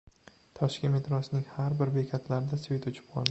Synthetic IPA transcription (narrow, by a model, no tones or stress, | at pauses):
t̪ʰɒʃkʲɪnmet̪ʰɾɒsnɪŋhaɾbɪɾbe̞kʲʰat̪ʰlaɾɪd̪asvit̪ʊt͡ʃʰɪ̥p̚qʰɒ̰lˠd̪ɪ